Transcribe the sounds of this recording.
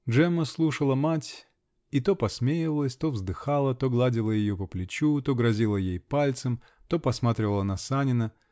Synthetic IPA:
dʐɛməslˠuʂəlˠəmatʲ | it̪o̞pɐsmʲejɪvəlˠəsʲt̪o̞vzd̪ɨxalˠət̪o̞ɡlˠadʲɪlˠəjɪjopəplʲɪt͡ɕut̪o̞ɡɾɐzʲilˠəjejpalʲt̪səm | t̪o̞pɐsmat̪ɾʲɪvəlˠənɐsanʲɪnə

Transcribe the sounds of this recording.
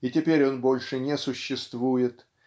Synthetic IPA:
itʲɪpʲeɾʲo̞nbo̞lʲʂɨnʲɪsʊɕːɪst̪vujɪt̪

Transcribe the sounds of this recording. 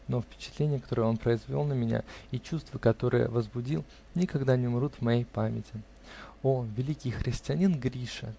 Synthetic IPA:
no̞fpʲɪ̥t͡ɕɪt̪lʲenʲɪjəkɐ̥t̪oɾəo̞npɾəɪzvʲolˠnəmʲɪnʲa̰it͡ɕust̪vəkɐt̪o̞ɾɨ̰jə̰vəzbʊdʲilˠ | nʲɪkɐɡd̪anʲɪʊmʲɪɾut̪vmɐjejpamʲɪtʲɪ | ovʲɪlʲikʲɪjxɾʲɪsʲtʲɪɐnʲinɡɾʲiʂə̰

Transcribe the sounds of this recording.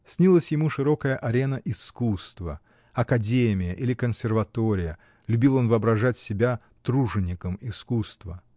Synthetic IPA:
sʲnʲilˠəsʲjɪmuʂɨɾo̞kəjəʔɐɾʲe̞nəʔɪskust̪və̰ | ɐkɐdʲemʲɪjəʔilʲɪkənsʲɪrvɐt̪oɾʲɪjə | lʲʉbʲilˠo̞nvɨɐbɾɐʐatʲsʲɪbʲa | t̪ɾuʐɨnʲɪkəmɪskust̪və

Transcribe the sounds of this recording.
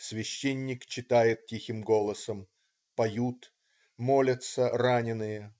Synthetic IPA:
svʲɪɕːenʲːɪkt͡ɕːɪt̪ajɪt̪̚tʲixʲɪmɡo̞lˠəsəm | pɐjut̪ | molʲət̪səranʲɪnɨjə

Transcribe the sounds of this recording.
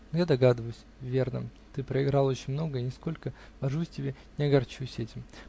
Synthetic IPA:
njad̪ɐɡad̪ɨvəjʊsʲvʲe̞rnə̰ | t̪ɨpɾəɪɡɾɑlˠo̞t͡ɕɪnʲmno̞ɡəinʲɪsko̞lʲkə | vɐʐusʲtʲɪbʲe | nʲɪɐɡɐrt͡ɕusʲɛtʲɪm

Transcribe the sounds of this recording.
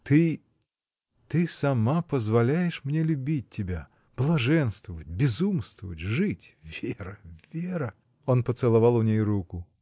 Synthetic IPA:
t̪ɨ | t̪ɨsɐmapəzvɐlʲæjɪʂmnʲelʲʊbʲit̚ʲtʲːɪbʲa | b̥lˠɐʐɛnst̪vəvət̚ʲbʲɪzumst̪vəvə̰tʲʐɨtʲvʲeɾəvʲeɾə | onpət̪sɨlˠɐvɑlˠʊnʲejɾukʊ

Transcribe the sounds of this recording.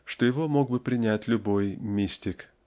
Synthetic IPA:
ʂt̪ojɪvomo̞ɡ̚bɨpɾʲɪnʲætʲlʲʊbo̞jmʲisʲtʲɪk

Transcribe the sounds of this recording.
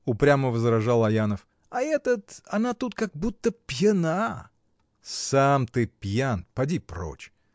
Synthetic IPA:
ʊpɾʲaməvəzɾɐʐalˠɐjanəf | ɐɛt̪ət̪ɐnat̪ut̪kaɡ̚but̪ːəpʲjɪna | samt̪ɨpʲjanpɐdʲipro̰t͡ɕ

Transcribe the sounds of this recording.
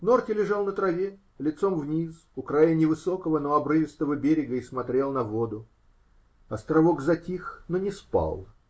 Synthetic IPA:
nortʲɪlʲɪʐalˠnət̪ɾɐvʲe | lʲɪt̪so̞mvnʲis | ʊkɾajənʲɪvɨso̞kəvənoɐbɾɨvʲɪst̪əvəbʲeɾʲɪɡəismɐt̪ɾʲe̞lˠnɐvo̞d̪ʊ | ɐst̪ɾɐvoɡzɐtʲixnonʲɪspa̰lˠ

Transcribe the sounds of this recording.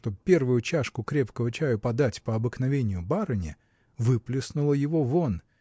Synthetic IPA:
t̪obpʲe̞rvʊjʊt͡ɕaʂkʊkɾʲe̞pkəvət͡ɕæjəpɐd̪atʲpəɐbɨknɐvʲenʲɪjʊbaɾɨnʲɪ | vɨplʲɪsnʊlˠəjɪvo̞vo̞n

